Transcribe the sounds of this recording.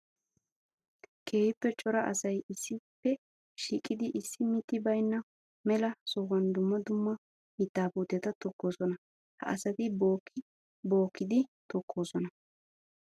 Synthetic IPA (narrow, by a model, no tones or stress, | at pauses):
kʰe̞ːhɪpːɛt͡ʃʼɔɾɐʔɐsɐjɪsːɪpːɛ | ʃiːkʼɪd̪ɪʔɪsːɪmɪt̪ːɪbɐjnːɐ | mɛlɐsɔwɐnd̪ʊmːɐd̪ʊmːɐ | mɪt̪ːaːbuːt̪ːɛt̪ɐt̪ɔkːoːsɔnɐ | hɐ̰ʔɐsɐt̪ɪbok | bo̞ːkːɪd̪ɪt̪ɔkʰːo̞ːsɔnɐ